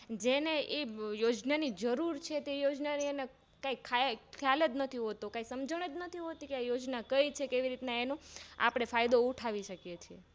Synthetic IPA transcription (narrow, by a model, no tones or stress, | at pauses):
d͡ʒeneʔejod͡ʒnanid͡ʒəɾuɾt͡ʃʰet̪ejod͡ʒnaniəne | kaikʰakʰjaled̪nət̪ʰiɦot̪okaisəmd͡ʒəɽ̃ed̪nət̪ʰiɦot̪ikeajod͡ʒnakəit͡ʃʰekeʋiɾit̪naenõa̰pɽ̃efajd̪ouʈʰaʋiʃəkjet͡ʃʰie